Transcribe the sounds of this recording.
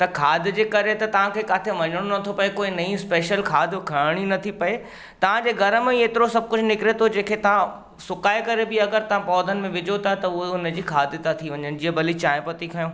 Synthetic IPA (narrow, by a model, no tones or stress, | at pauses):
t̪ɐkʰaːd̪ʱd͡ʑeːkɐɾet̪ɐt̪ɐʋ̤ãkʰeːkaːt̪ʰeʋɐɲəɽ̃onɐt̪ʰopɐekoːinɐĩspeːʃəlkʰaːd̪ʱkʰɐɽɽ̃inɐt̪ʰipɐe | t̪ɐʋ̤ãd͡ʑeːɡɐɾəmẽeːt̪ɪɾosɐb̚kʊd͡ʑʱnɪkɪɾet̪ʰod͡ʑẽːkʰet̪ɐʋ̤ã | sʊkaːekɐɾebɪɐɡəɾt̪ɐʋ̤ãpɔːd̪ʱənɪ̆mẽʋɪd͡ʑot̪ʰat̪ɐʊɦeʊnəd͡ʑiːkʰaːd̪ʱt̪at̪ʰiʋɐ̃ɲənɪ̆d͡ʑiɦəbɐlit͡ɕaːɪ̃pɐt̪ikʰɐjõː